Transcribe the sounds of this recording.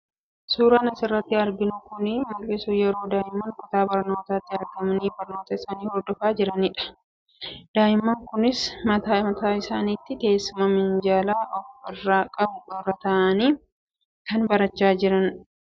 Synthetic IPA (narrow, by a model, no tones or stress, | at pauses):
suːɾɐnɐsɪrːɐt̪ːɪɐɾɡɪnʊkʊnɪmɐlɪsuːjɛɾo̞ːd̪aːʔɪmːɐnkʼʊt̪aːbɐɾno̞ːt̪aːt̪ːɪɐɾɡɐmɐniːbɐɾno̞ːt̪ɐɪsaːniːhɔɾd̪ɔfaːd͡ʒɪɾɐnɪᶑɐ̥ | d̪̥aːjɪmːɐŋkʊnɪsmɐt̪aːmɐt̪aːɪsaːniːt̪ːɪk̪e̞ːsːʊmɐmɪnd͡ʒaːlaːʔɔfɪrːaːkʼɐbʊrːɐt̪ɐʔɐniː | kɐnbɐɾɐt͡ʃːaːd͡ʒɪɾɐn